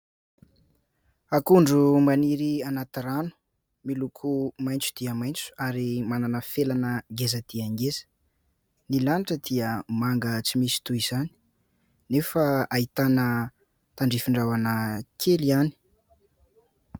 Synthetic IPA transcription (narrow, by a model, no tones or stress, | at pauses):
akuɳɖ͡ʐumaniɾianat̪ɾanu̥ | milukʰumajnt͡su̥d̪̥iəmajnt͡su̥aɾimananəfelanəɡezəd̪̥iaŋɡezə̥ | nilaniʈ͡ʂəd̪iəmaŋɡət͡simisi̥t̪uiz̥ani̥ | nefəait̪anə | t̪aɳɖ͡ʐifiɳɖ͡ʐavanəkʰeliani̥